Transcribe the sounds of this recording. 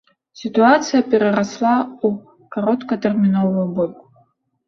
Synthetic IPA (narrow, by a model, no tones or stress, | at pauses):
sitʰuat͡sʰijapʼeɾaraslau | kʰoɾo̞tʰkʰatʰerminolːobopʼ